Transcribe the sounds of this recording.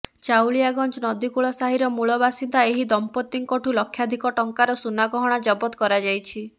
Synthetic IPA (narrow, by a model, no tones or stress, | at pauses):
t͡ʃawɭijaɡɔnt͡ʃɔnɔd̪ikuɭɔsaɦiɾɔmuɭɔbasind̪aeɦid̪ɔmpɔt̪ːiŋkɔʈʰulɔkʰːjad̪ʱikɔʈɔŋkaɾɔsunaɡɔɦɔɽ̃ad͡ʒɔbɔt̪ɔkɔɾad͡ʒajt͡ʃʰi